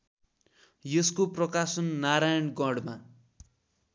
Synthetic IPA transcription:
jʌskoprʌkasʌnːaɾajʌɳɡʌɽma̰

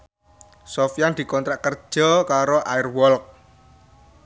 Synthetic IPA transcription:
sɔfjaŋd̪̥i̤kɔnt̪ɾaʔkərd̥ʒ̥ɔkaɾoʔairwɔlk̚

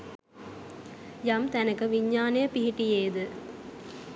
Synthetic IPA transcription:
jamt̪ænəkəʋiɲːaːnejəpiɦiʈijeːd̪ə

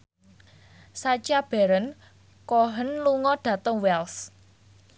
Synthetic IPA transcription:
sat͡ʃab̥ɛ̤ɾən | kɔɦənluŋɔɖ̥ä̤t̪ɔŋwɛls

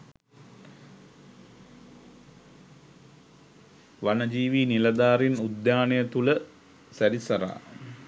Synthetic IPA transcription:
ʋanəd͡ʒiːʋiːnilɐd̪aːɾinud̪jaːnɐjət̪ulə | sæɾisɐɾa̰ː

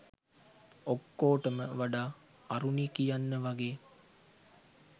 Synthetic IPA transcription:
okːoːʈəməʋaɖaː | aɾunikijanːəʋaɡeː

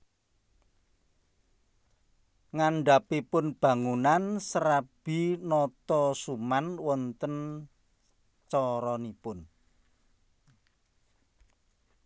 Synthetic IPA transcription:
ŋanɖapipʊnb̥ä̤ŋunansəɾab̥i̤nɔt̪ɔsumanwɔnt̪ən | t͡ʃɔɾɔnipʊn

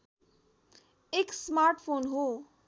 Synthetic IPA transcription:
eksmaɾʈʰpʰoːnɦo

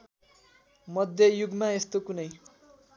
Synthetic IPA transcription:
mʌd̪ʱjʌjuɡmaest̪okunʌj

